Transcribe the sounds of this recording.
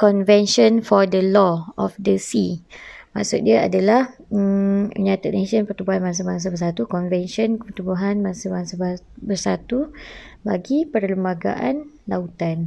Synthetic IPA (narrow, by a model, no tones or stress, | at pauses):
kɔnvɛnʃɔnfɔrdəlɔɔfdəsimã̰ʔsʊt̪̚diaa̰dalahəməɲat̪əʔ̚neʃənpərt̪ubuɦanmans̬əmaŋs̬əbərs̬at̪ukɔnvɛnʃɔnpərt̪ubuɦanmaŋsəmaŋsəb | bərsat̪ubaɡipərləmbaɡa̰ʔan | laut̪an